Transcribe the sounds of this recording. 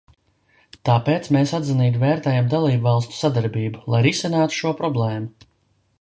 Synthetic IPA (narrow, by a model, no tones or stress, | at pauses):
t̪aːpeːt̪smeːsad̪ziniːt̪̬vɛːɾt̪ɛːjamd̪alˠiːbvɑlˠst̪u̥sad̪aɾbiːbulˠajɾisinaːt̪u̥ʃuɔpɾɔblˠɛːmu